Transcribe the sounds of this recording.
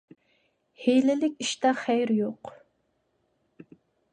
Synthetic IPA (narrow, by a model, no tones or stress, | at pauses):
hejlɪlɪkʲiʃt̪ɑχæjɾjoq